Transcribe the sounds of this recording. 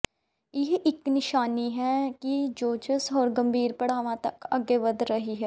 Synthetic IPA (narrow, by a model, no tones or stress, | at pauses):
ɪɦʔɪknɪʃaːniɦɛːkid͡ʒoːt͡ʃəsɔːɾɡɐ̃mbʱiːɾpɐɽaːʋãt̪ɐkɐɡeʋəd̪ɾɐɦiɦɛː